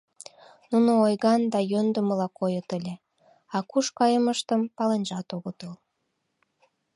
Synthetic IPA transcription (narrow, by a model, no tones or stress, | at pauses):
nunoojɣɑnd̪ɑjønd̪əməlɑkojət̪əlʲe | ɑkuʃkɑjəməʃt̪əmpɑlenʲʒɑt̪oɣət̪əl